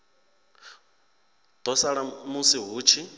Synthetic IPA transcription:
d̪̥ɔsaɺamusiɦuːt͡ʃʰi

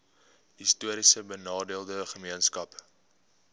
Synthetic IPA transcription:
ɦistuəɾisəbənɑːdiəlˠdəχəmiənskɐp

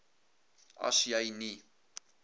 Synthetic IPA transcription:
ɐ̰sjəjni

